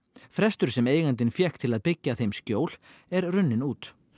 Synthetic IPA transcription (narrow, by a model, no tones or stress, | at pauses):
fɾɛst̪ʏɾ̥sɛmeːjɣant̪ɪnfjɛhkt̪ʰɪlaðpɪcːaθejmscoːwl̥ɛɾrʏnːɪnuːt̪